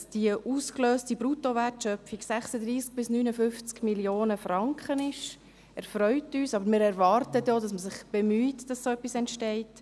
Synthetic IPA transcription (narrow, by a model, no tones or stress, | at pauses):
sd̥iəʔuːskløːstibɾutoʋærtʃœpfiɡsæχsədɾiːsk̚b̥ɪsnyːnəfʏft͡skmiljoːnəfɾɑŋkχənɪʃ | ɛɾfɾœʏtyːsɑbəɾmɪːɾɛɾʋɑːrtətjɔdɑsməsɪχb̥ɛmyːtd̥ɑsːsoœpːisɛntʃtɛɪt